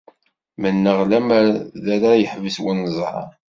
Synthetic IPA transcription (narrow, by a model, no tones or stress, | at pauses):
mənːəʁlæmðæɾajəħvəswənːəzˤɾɑ̰ɾˤ